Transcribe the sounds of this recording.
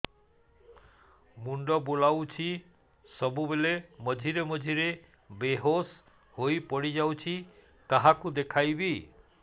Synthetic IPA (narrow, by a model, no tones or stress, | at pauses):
muɳɖɔbolawt͡ʃʰi | sɔbubelemɔd͡ʒʱiɾemɔd͡ʒʱiɾe | beɦos | hojpɔɽid͡ʒawt͡ʃʰi | kaɦakud̪ekʰajbi